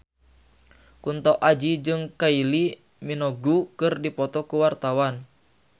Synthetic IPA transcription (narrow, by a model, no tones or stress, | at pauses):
kunt̪awʔad͡ʒid͡ʒɨŋkaili | minɔɡukɨrdipɔt̪ɔkuwart̪awan